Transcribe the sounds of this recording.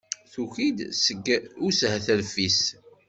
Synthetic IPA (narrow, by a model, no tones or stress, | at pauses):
θuçid̪səɡushθəlfis